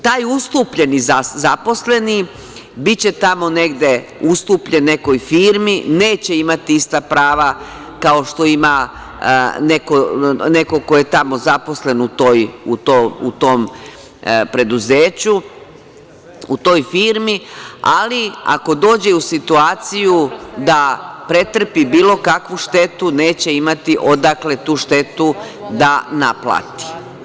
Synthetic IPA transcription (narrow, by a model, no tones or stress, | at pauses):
t̪aːjust̪uːpʎe̞nizazapo̞sle̞ni | bitt͡ɕe̞t̪amo̞ne̞ɡd̪e̞ust̪uːpʎe̞nːe̞ko̞jfiːɾmineːt͡ɕe̞imat̪iist̪apɾaːʋa | kao̞ʃt̪o̞ima | ne̞kone̞ko̞ko̞je̞t̪amo̞zapo̞sle̞nut̪oːjut̪oṵt̪om | pɾe̞d̪uzeːt͡ɕu | ut̪o̞ːjfiːɾmialia̰ko̞d̪o̞ːd͡ʑe̞usit̪uaːt̪sijud̪apɾe̞t̪r̩pibiːlo̞kakʋuʃt̪e̞t̪uneːt͡ɕe̞imat̪iʔo̞d̪akle̞t̪uːʃt̪e̞t̪u | d̪anaplˠa̰ːt̪i̥